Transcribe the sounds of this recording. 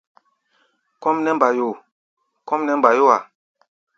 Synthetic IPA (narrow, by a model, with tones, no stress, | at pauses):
kɔ˦mnɛ˦m˨ba˨jo˨ | kɔ̃˦mnɛ˦mba˨jo˦a˨